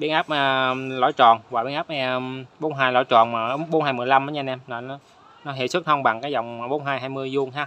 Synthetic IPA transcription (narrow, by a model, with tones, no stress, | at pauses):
ɓi˧ənʔaː˦˥p̚ʔəː˧˩lɔ̰˧˨˦jt͡ɕɔ˨˩nvaː˨˩ɓḭ˨˧ənʔaː˦˥p̚ʔɛ˧ɓo˨˦nɦaː˧jlɔ̰˧˩˦jt͡ɕɔ˨˩nmaː˨˩˨ɓo˨˦nhaː˧jmɨ˨˩əjla˧mʔaː˨˦ɲa˧nɛ˧mnɔ˨˩nɔ˨˦ | nɔ˨˦ɦḛ˧˩swɨ˦˥k̚hɔ˧wŋ͡mɓa˨˩ŋkaː˨˦jzɔ˨˩wŋ͡mɓo˨˦nɦaː˧jɦaː˧jmɨ˧əjzu˧ənɦaː˦˥